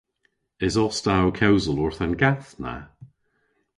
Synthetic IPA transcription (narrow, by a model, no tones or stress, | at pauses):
ɪzɔstawkʰɛwzəlɔɹθanɡaθna̰